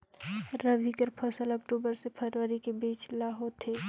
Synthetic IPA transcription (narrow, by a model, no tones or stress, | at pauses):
ɾəʋʱikəɾpʰɐsələk̚ʈuːbəɾsepʰəɾʋəɾikebiːt͡ʃlaɦot̪ʰeː